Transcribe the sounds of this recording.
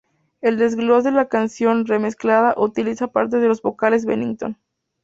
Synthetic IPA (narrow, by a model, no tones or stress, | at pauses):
e̞ld̪e̞zɣlosðelakansjo̞nreme̞sklaðaʔut̪ilisapaɾt̪e̞ð̞e̞lo̞zβo̞kale̞zβḛnĩŋɡt̪o̞̰n